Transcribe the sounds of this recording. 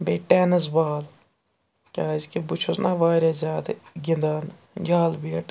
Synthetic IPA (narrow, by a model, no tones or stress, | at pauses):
beːʈɛnɨzbaːl | kʲaːzkibut͡ʃʰusnaʋaːɾʲazʲaːd̪ɡʲind̪aːn | jaːlbiʈ